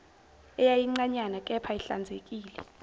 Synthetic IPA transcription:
ɛjajiŋ͡ǀaɲanakʼɛpʰaiɬa̰nd͡zʱek̬ʼiːlɛ̰

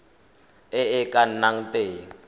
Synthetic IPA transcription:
ɪɪkʼan̩naŋ̩teːŋ̩

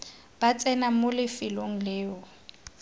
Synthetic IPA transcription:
b̥at͡sʼɛnamʊlɪfɪloŋ̩leːɔ

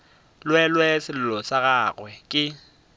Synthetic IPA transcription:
lwɛlwɛsɪlɪlɔsaɣaɣwɛkʼɪ

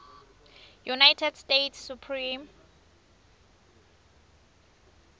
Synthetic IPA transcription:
junajtʰɛdstetsːupʰɹim

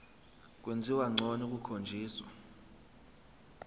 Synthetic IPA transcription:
k̬ʼwend͡zʱiwaŋ͡ǀʱonik̬ʼukʰond͡ʒʱiːswa̰

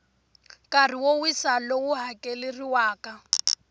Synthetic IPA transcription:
kʼariwowisalowʊɦakʼelɪriwaːkʼa

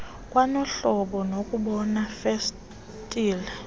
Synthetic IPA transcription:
kʼwanɔɬɔɓɔnokʼuɓɔnafɛs | tʼiːla

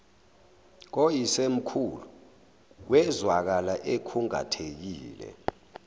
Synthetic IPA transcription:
k̬ojisem̩kʰulu | wɛzwak̬alaʔekʰuŋa̰tʰek̬iːlɛ̰

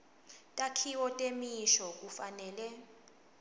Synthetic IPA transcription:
tʼakʰiwɔtʼemiʃɔk̬ʼufanɛːlɛ

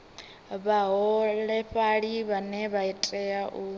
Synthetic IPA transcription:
βaɦɔɺɛɸaɺiβanɛβaɛtʼɛaʔu

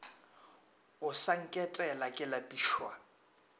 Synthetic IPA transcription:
ʊsaŋ̩kʼɛtʼɛlakʼɪlapʼiːʃwa

